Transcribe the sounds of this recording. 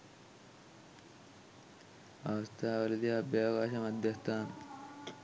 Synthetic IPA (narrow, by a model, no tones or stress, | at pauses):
aʋɐst̪ʰaːʋɐlid̪iɐbjaːɐkaːʃɐmɐd̪ʱjɐst̪ʰaːn